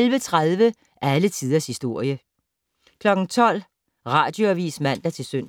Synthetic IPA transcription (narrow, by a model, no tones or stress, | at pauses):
lʋət͡sʰʁaðˠʋə | ʔælət͡sʰið̞ˠɐshisd̥o̝ɐ̰jə | kʰlɒ̽ɡ̥n̩t͡sʰɒ̽l̰ | ʁɑ̈ːd̥jo̝æʋḭːsmæn̰d̥ɑt͡sʰe̝lsøn̰